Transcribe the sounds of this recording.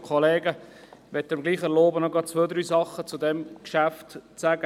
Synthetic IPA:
kʰɔleːɡəʋɛt̪ːəɾmɡliːχəloːbənɔɡɑːt̚t͡sʋøːd̪ɾyːsɑχːət͡sud̪ɛmkʃæftt͡sæːɡə

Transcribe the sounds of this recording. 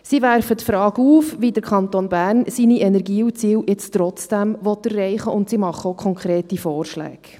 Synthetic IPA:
siʋæɾfətfɾɑːɡuːfʋidəɾkʰχɑnt̪onbæːɾnsiːniʔɛnɛɾɡiːut͡siːwjɪt͡stɾɔt͡sd̥æmʋɔt̪ːərːɛɪχəʊntsimɑχəokʰɔŋkɾeːtifɔːrʃlæ̰ːk

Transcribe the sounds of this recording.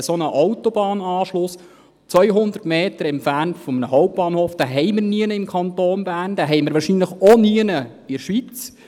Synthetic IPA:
əsonəʔɔwtɔbɑːnɑːʃlʊs | t͡sʋœjɦʊnd̪ərtmeːt̪əɾɛmpfærntfɔmənəɦɔʊp̚b̥ɑːnhoːfd̥æɦɛɪmɪrniənəɪmkʰɑnt̪oːnbæːrnd̥̪æːɦɛjməɾʋɑːʃinləχoniənə | ɪɾʃʋit͡s

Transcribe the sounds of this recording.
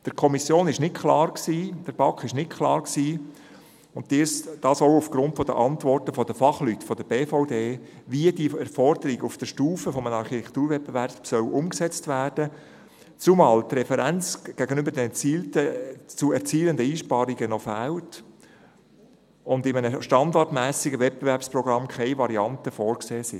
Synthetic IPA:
d̪̥əɾkʰɔmisjoːnɪʃnɪtkʰlɑːɾksiːd̥əɾb̥ɑkʰːɪʃnɪtkʰlɑːɾksiː | ʊntd̥isd̥ɑːsɔʊufɡ̥ɾʊntfɔd̥ə̰ʔɑnt̪ʋɔrtəfɔd̪əfɑχlytfɔd̥əbeːfɔʊdeː | viədiɛɾfɔrdəɾiɡʊfd̥əʃtuːfəfɔmənɑɾχitʰɛktuːɾvɛp̚ːəvæɾpsœwʔʊmksɛt͡stvæːrd̥ə | t͡sumɑːlt̪rɛfɛɾænt͡sɡ̥æɡənʏbəɾdɛnɛt͡siːltət͡suɛɾt͡siːləndəiːʃpɑːɾiɡənɔfæːlt | ʊndɪmənəʃtɑndɑrtmæːsiɡəvɛt̚pbevɛɾpsprɔɡ̥ɾɑmkʰɛɪvɑɾiɑntəfɔːɾkseːsɪ

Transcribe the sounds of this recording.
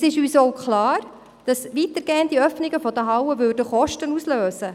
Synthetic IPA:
sɪʃyːsowkχlɑːɾ | d̥ɑsʋiːtəɾɡ̥eːəntdiœfnɪɡəfɔd̥̪əɦɑwəʋʏːrdəχɔʃtənusløːsə

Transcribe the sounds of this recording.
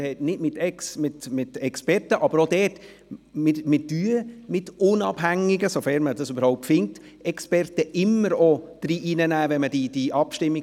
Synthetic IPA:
hɛtnɪdmɪtɛksmɪtmɪtɛkspɛɾtəʔɑbəɾodɛːt | mɪmɪd̥yəmɪtʊnɑb̥ɦæŋːɪɡəsofɛːɾmədɑsybəɾhaʊp̚tfɪnt | ɛkspɛrtəʔɪmːəɾod̥ɾiːʔiːnənæːʋɛnmədid̥iʔɑpʃtɪmːi

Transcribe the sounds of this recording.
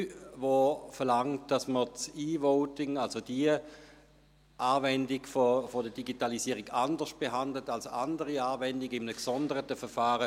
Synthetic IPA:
vofɛʁlaŋt̚d̥asmət͡siːvoʊtɪŋalsod̥iə | ʔaːvɛndɪɡfofodəd̥iɡitalisiəʁiɡandəʃt̚b̥eɦandlətalsoandəʁiaːvɛndɪɡɪmənəksɔndəʁətəfɛʁfaːʁə

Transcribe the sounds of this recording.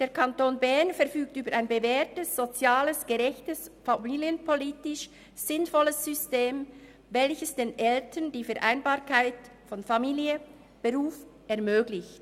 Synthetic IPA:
d̥eːɐʁkʰantoːnbɛɐnfɛɐfyːk̚tyːbəɾʔaɪnbəvɛːɐtəsz̥ot͡sjaːləsɡ̥əʁɛçtəsfamiːljənpʰoliːtɪʃ | z̥ɪnfɔləsz̥ʏsteːm | vɛlçəsd̥eːnʔɛltʰəndiːfɛɐʔaɪnbaːɐkʰaɪt | fɔnfamiːliə | b̥əʁuːfʔɛɐmøːɡlɪçt

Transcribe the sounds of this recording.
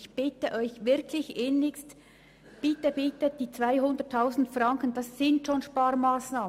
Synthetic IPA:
çb̥ɪtəʔɔʏçvɪɾkʰlɪçʔenɪkst | b̥ɪtəb̥ɪtəd̥iːt͡sv̥aɪɦʊndətʰːaʊsn̩tfrɑŋkən̩d̥ɑsːɪntʃoːnʃpaːɾmaːsnaːmn

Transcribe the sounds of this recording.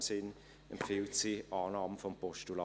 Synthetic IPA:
msɪn | ɛmpfɪltsiʔɑːnɑːməfɔmpʰɔʃtulɑ

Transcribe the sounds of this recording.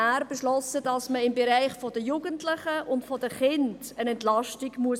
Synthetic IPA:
æːɾbeʃlɔsədɑsməɪmbeɾaɪχfɔdəjuːɡəntlɪχəʊntfɔdəχɪnd | ənɛntlɑʃtiɡmuəs

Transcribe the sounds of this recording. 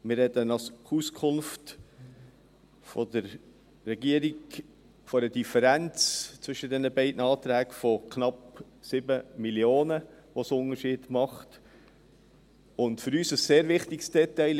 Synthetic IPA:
mɪrɾɛdənɑsuskʰʊnft | fɔdəɾː | ɛɡiəɾiɡ | fɔɾəd̥ifəɾænt͡st͡svʏʃədɛnəbɛɪdnɑːt̪ɾæːɡfɔkʰnɑp | sɪbəmiljoːnəʋosʊnəʃiːd̥mɑχt | ʊntfɵɾyːsəsseːɾʋɪχtɪksd̥ɛtɛɪ

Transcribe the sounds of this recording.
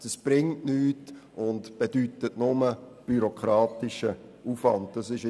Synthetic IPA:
d̥əsb̥ɾɪŋtnyːtʊndb̥ed̥ytətnʊməb̥yɾokʰɾɑːtɪʃə | uːfvɑnd̚d̥ɑsɪʃ

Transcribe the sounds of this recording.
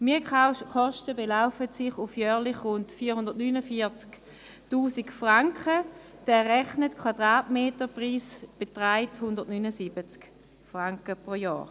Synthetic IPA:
miɐχɔʃtəbelaʊfətsɪχufjœːʁlɪχʁʊntfiːɐhʊndɐtnynəfiɐt͡sk | tuːsikfʁaŋkχəd̥ɛːʁɛχnətkʰwad̥ʁaːtmeːtəpʁiːsb̥etʁaɪthʊndətnyːnəsibət͡sk | fʁaŋkəpʁojɔ̰ːʁ

